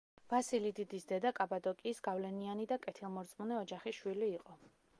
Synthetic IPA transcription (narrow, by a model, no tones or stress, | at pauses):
vasilid̪id̪isd̪ɛd̪akʼabad̪ɔkʼiːsɡavlɛnianid̪akʼɛt̪ʰilˠmɔɾt̪sʼmunɛɔd͡ʒaχiʃwiliːqʼɔ